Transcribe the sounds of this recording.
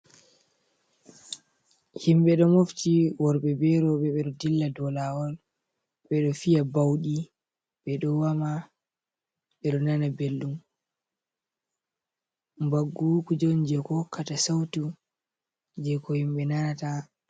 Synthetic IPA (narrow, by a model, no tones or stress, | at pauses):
himɓɛɗɔmoftiwɔɾɓɛbɛɾɔɓɛɓɛɗɔdilːadɔlawɔl | ɓɛɗɔfijabawɗi | ɓɛɗɔwama | ɓɛɗɔnanabelɗum | mbaɡːukud͡ʒɔnd͡ʒɛkɔkːatasawtu | ɲd͡ʒɛkɔhimɓɛnanata